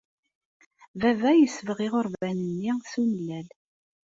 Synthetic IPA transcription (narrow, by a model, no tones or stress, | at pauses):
vævæjəsəvʁiʁəɾvænənːiθunəlːæl